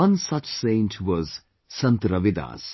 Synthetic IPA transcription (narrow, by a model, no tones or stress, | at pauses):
ʌ̃nsʌt͡ʃsẽɪ̃nʈʰʋɔz̥ | sɐ̃nt̪ɾʌʋid̪a̰ːs